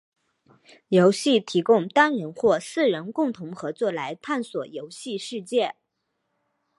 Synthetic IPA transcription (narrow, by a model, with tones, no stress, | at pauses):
jo˧˥ʊɕi˥˩t̪ʰi˧˥kʊ˥˧ŋt̪a˥nɻə˧˥nxwɔ˥˧sɹ̩˥˩ɻə˧˥nkʊ˥˩ŋt̪ʰʊ˧˥ŋxɤ˧˥t͡swɔ˥˩la˧˥ɪt̪ʰa˥˩nswɔ˨˩jo˧˥ʊɕi˥˧ʂɻ̩˥˧t͡ɕjɛ˥˩